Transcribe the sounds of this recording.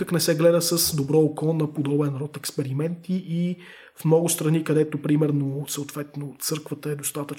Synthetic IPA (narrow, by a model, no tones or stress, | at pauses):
əknɛsɛɡlɛd̪əsəsd̪obɾɔokɔnɐpod̪ɔbɛnɾɔt̪ɛkspɛɾimɛnt̪iʔi | fmnɔɡʊst̪ɾɐnikɐd̪ɛt̪opɾimɛɾnosəot̪vɛt̪not̪sɤɾkvət̪əɛd̪ost̪at̪ət͡ʃ